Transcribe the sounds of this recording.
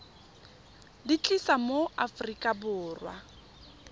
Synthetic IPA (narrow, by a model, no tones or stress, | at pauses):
dit͡ɬʼisamoafrikʼabʊːrwa